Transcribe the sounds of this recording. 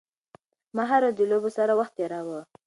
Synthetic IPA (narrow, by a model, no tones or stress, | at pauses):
maɦaɾod̪əlobosaɾawaxt̪eɾɑwə